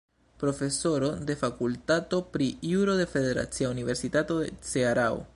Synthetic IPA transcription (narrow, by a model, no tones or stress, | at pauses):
pɾo̞fe̞so̞ɾo̞d̪e̞fakult̪at̪o̞pɾijuɾoðe̞feðe̞ɾa̰t͡siaunive̞ɾsit̪at̪odet͡seaɾao̰